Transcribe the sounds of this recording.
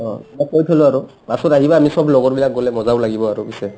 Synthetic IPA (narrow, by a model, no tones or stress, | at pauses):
ɔmakojtʰolʊaɹʊ | basɔtaɦibaːmisɔblɔɡɔɹbilak̚ɡolɛmɔzabʊlaɡibɔaɹubisɛ